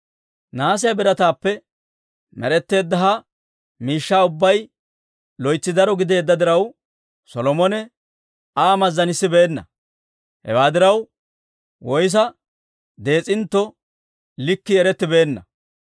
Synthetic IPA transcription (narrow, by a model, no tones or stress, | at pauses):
naːs̬ɪjɐbɪɾɐt̪aːpːɛ | mɛ̰ɾɛt̪ːe̞ːd̪ːɐɦɐ | miːʃːaːʊbːɐj | lɔjt͡sːɪd̪ɐɾɔɡɪd̪e̞ːd̪ːɐd̪ɪɾɐw | sɔlɔmɔnɛ | aːmɐzːɐnɪsːɪbe̞ːnːɐ̰ | hɛ̰waːd̪ɪɾɐw | wɔjs̬ɐ | d̪e̞ːt͡sʼɪnt̪ːɔ | lɪkːɪɛɾɛt̪ːɪbe̞ːnːɐ